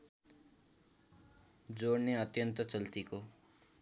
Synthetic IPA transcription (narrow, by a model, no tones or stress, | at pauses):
d͡zoɽneʌt̪jʌnt̪ʌt͡sʌlt̪iko